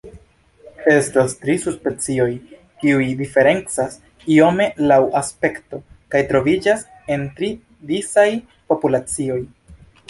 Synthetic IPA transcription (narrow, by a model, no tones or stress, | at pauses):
e̞stastɾisuspe̞t͡sio̞j | kiujdife̞ɾe̞nt͡sas | io̞me̞lawʔaspe̞kto̞ | kajtɾo̞vid͡ʒas | e̞ntɾi | disaj | po̞pulat͡sio̞j